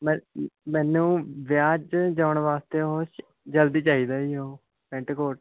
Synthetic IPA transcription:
mɛmɛ̃ːnũːʋjaːd͡ʒd͡ʒaːʊɳʋaːst̪eːɦoːʃ | d͡ʒəld̪iːt͡ʃaːiːd̪aːiːɦoː | pɛ̃ɳʈəkoːʈ

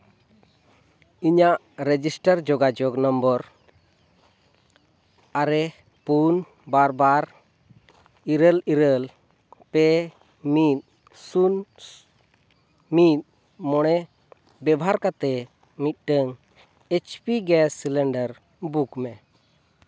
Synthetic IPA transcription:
iɲaʔ | ɾed͡ʒisʈəɾd͡ʒɔɡad͡ʒɔɡnəmbəɾ | aɾɛ | pun | baɾbaɾ | iɾəliɾəl | pɛ | mit̪̚ | sun | mit̪̚ | mɔɽ̃ɛ | bɛbɔɦaɾkat̪ɛ | mit̪̚ˀʈəŋ | et͡ʃpiɡɛsilɛɳɖəɾ | bukmɛ

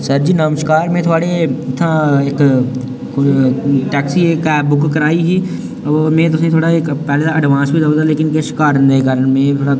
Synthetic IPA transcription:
səɾd͡ʒiːnãːmʃkaːɾmẽːt̪ʰʊaːɽeɪt̪ʰːãɪk | ʈɛːksiekɛːbʊkkəɾaːiɦiː | ɔːmẽːt̪̬ʊsẽt̪ʰoːɽaekpɛːleaəɖʋãːsbʱid̪əod̪aleːkɪnkeʃɪ̥kaːɾənd̪ekəɾənmẽːt̪ʰoːɽa

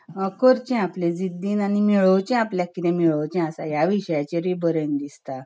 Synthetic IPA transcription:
əkəɾt͡ɕɛ̃aplẽd͡zid̪ːiːnañimiɭəwt͡ɕɛ̃apljakːit̪ẽmiɭəwt͡ɕɛ̃asajaʋiɕəjat͡ɕeɾibəɾend̪ist̪a

